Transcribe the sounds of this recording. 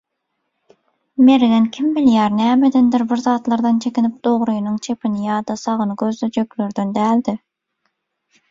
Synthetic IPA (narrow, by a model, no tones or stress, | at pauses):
meɾɡɛnkʲʰimbɪljɛɾnɛːmɛd̪ɪnd̪ɪɾbɪɾzɑːt̪lˠɑɾd̪ɨnt͡ʃʰekʲɪnɪp̚d̪̥oʁɾujnɨŋt͡ʃʰepɪnɪjɑːd̪ɑsɑʁənɨɡʲøzd̪ɛd͡ʒøkʲlyɾd̪ɪnd̪æːld̪ɪ